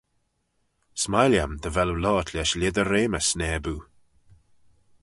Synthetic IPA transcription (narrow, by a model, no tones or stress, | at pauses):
smajljamd̪əvɛlulɔːt̪ʰlʲɛʃlʲɪd̪əɾeːməsnɛːbuː